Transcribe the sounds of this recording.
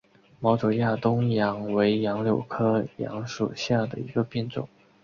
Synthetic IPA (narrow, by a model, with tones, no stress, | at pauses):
mɑ˧˥ʊt͡so˨˩ja˥˩t̪ʊ˥ŋjɑ˧˥ŋwe˧˥ɪjɑ˧˥ŋljo˨˩ʊkʰɤ˥jɑ̰˧˥ŋʂu˨˩ɕja˥˩d̪ə̰˩ḭ˧˥ɡə˧pi˥˧nʈ͡ʂʊ̰˥˩˦ŋ